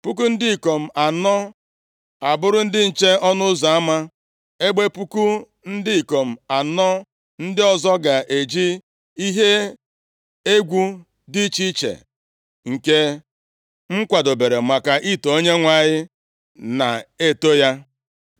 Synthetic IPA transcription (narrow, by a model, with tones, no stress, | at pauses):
pu˦ku˦n̩˦dɪ˦i˨ko˨m̩˨a˨nɔ˦ | a˨bʊ˦ɾʊ˦n̩˦dɪ˦n̩˨t͡ʃe˦ɔ˦nʊ˦za˨a˦ma˦ | e˦ɡ͡be˦pu˦ku˦ | n̩˦dɪ˦i˨ko˨m̩˨a˨nɔ˦ | n̩˦dɪ˦ɔ˨zɔ˦ɡa˨ʔe˨d͡ʒi˦ | i˦ɦe˦ | e˦ɡʷu˦ | dɪ˦t͡ʃi˦t͡ʃḛ˨ | ŋ̩˨ke˦ | ŋ̩˦kʷa˨do˨be˨ɾe˨ma˨ka˨ʔi˦˨to˨o˦ɲe˦ŋʷa˨ɲɪ˦ | na˨e˦to˦ja˦